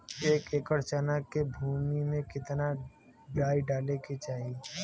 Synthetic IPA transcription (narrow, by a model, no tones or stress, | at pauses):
eːkeːkəɾt͡ʃaːnakːebʱuːmimẽkɪt̪na | ɖaːiɖaːleket͡ʃaːɦie